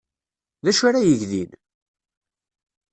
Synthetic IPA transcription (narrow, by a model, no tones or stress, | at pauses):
ðæʃaɾajəʝðḭn